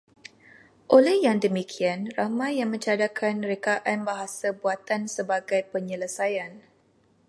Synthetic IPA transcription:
ʔolɛhjaŋdəmikʰianramãjːaŋmə̃ɲt͡ʃadakʰanɾekaʔanbaɦasabuat̪ansəbaɡajpəɲələsajan

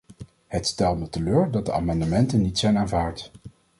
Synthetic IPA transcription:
hətstɛlˠtmətəløːɹdɑt̚dəʔa̰ːmɑndəmɛntənːitsɛjnaːnvaːɹt

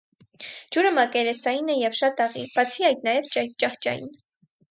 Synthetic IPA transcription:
d͡ʒuɾəmɑkɛɾɛsɑjinɛjɛvʃɑt̪ɑʁḭb̥ɑt͡sʰiɑjt̪nɑjɛvt͡ʃɑht͡ʃɑ̰jḭn

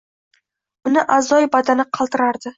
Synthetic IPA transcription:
ʊnɪʔazɒjbad̪anɪqʰɑlˠt̪ɪɾaɾd̪ɪ

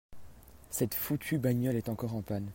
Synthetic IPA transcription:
sɛt̪fut̪ʰybaɲɔlɛt̪ɑ̃kɔʁɑ̃pan

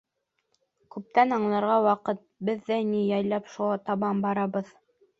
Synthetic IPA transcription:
kʉp̚t̪ænɑɴlˠɑɾʁɑwɑqɤt̪̚bɘ̆ðːænijɑjlɑpʃulˠɑt̪ɑβɑmbɑɾɑβɤð

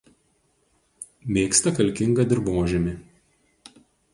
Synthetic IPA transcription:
mʲeːkst̪ɐkɐlʲkʲɪŋɡɐd̪ʲɪɾboːʒʲɛmʲɪ

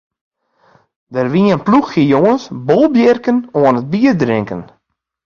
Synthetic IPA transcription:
dərʋiənpluxijoŋənsbolˠbjɛrkənoənət̚biərdrɪŋkən

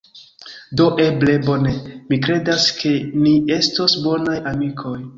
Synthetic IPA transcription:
do̞ʔe̞ble̞bo̞ne̞mikɾe̞daskʰe̞nie̞stosbo̞najamikʰo̞j

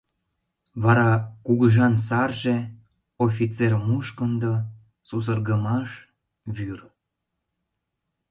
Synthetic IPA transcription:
βɑɾɑkuɣəʒɑns̬ɑrʒe | ofit͡sermuʃkənd̪o | sus̬ərɣəmɑʃ | βyr

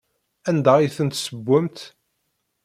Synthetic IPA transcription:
ænd̪æiθənt̪səbːəmt̪

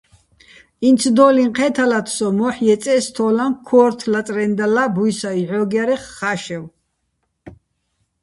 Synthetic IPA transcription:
insʰd̪ɔliɴqʰɛt̪ʰalat̪ʰsɔmɔħjɛt͡ssʼɛst̪ʰɔlaŋkʰɔːɾt̪ʰlat͡s̪ʼɾɛnd̪alabujsaiʕɔɡjaɾɛχːaʃɛw

